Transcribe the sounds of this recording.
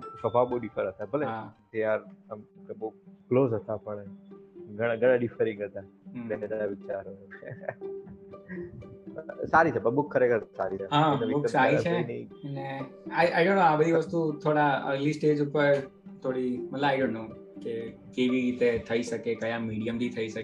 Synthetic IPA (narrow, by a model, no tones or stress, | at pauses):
səbʱaʋɓoɖifʰəɾɦət̪abʱəleɦat̪jaɾəmkeboklozɦət̪apəɳ | ɡəɽ̃ãɡəɽ̃ãɖifəɾĩŋɡɦət̪anenedənaʋɪt͡ʃaɾo | saɾit͡ʃʰɛbəbukʰːəɾekʰəɾsa̰ɾit͡ʃʰeɦãnəʋiboːkəsaɾit͡ʃʰeinineaʔajɖõːnːoabəd̪ʱiʋəst̪ut̪ʰoɽaə̰ɡlisʈeːd͡ʒupəɾ | t̪ʰoɽimət̪ləbajɖõːɳʈːoː | ke | keʋiɾit̪et̪ʰəiʃəkekəjãmiɽijəmd̪it̪ʰəiʃək